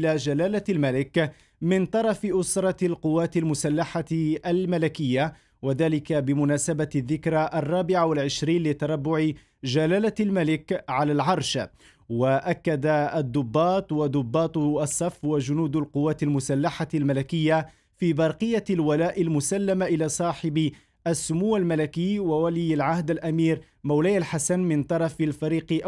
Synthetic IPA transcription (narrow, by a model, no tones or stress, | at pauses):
ʔlaːd͡ʒalaːlalmalɪk | mɪnt̪ˤɑɾˤɑfɪʔʊsɾˤɑlqʊwːaːt̪ɪlmʊsalːaħaalmalɪkɪjːa | waðaːlɪkabɪmʊnaːsabaðːɪkɾaʔarˤːɑːbɪʕawalʕɪʃɾiːnlɪt̪ɑɾˤɑbːʊʕɪ | d͡ʒalaːlalmalɪkʕalaːlʕɑɾˤʃ | waʔakːad̪aːd̪ːʊbːɑːt̪ˤwad̪ʊbːɑːt̪ˤɑsˤːɑfːwad͡ʒʊnuːd̪alqʊwːaːt̪almʊsalːaħalmalɪkɪjːa | fiːbɑɾˤqɨjːalwalaːʔɪlmʊsalːamaʔɪlaːsˤɑːħɪb | ʔasːʊmuːalmalakiːwawalɪjːalʕahd̪alʔamiːɾ | mawlaːalħasanmɪnt̪ˤɑɾˤɑfɪlfaɾiːqʔ